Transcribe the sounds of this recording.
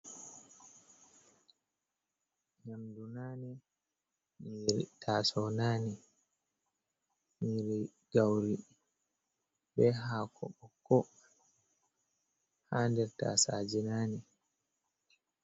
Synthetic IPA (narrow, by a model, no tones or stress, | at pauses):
ɲamdunaːni | miɾitʰasɔnaːni | miɾi | ɡ̥awɾi | bɛɦaːkʰɔ̰ɓɔkːɔ | handɛɾta̰sa̰d͡ʒinaːni